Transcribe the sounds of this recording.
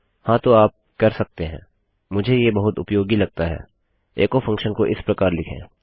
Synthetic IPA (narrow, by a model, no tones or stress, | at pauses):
hãːt̪oaːp̚kɐɾsɐk̚t̪eɦɛ̃ː | mʊd͡ʒʱejebɐɦʊt̪ʊ̰pjoːɡilɐɡ̚t̪aɦɛ̰ː | eːkofʰɐ̃ŋkʃənkoʔɪspɾɐkaːɾlɪkʰḛ̃ː